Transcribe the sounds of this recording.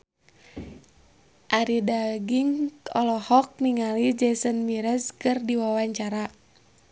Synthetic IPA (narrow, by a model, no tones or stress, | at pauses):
ʔaɾidaɡiŋkɔlɔhɔk̚niŋalid͡ʒɛsənmiɾɛskɨrdiwawaɲt͡ʃaɾa